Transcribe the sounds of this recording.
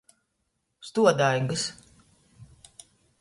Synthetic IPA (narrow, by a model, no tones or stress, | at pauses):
st̪uɔd̪ajŋɡɨs